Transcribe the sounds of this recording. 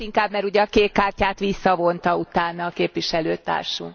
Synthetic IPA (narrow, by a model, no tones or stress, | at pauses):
iŋkaːbmɛɾuɟɛɒkeːkːaːrcaːt̪ʋisːɒvo̞nt̪ɒut̪aːnɒːkeːpʋiʃɛløːt̪a̰ːrʃṵŋ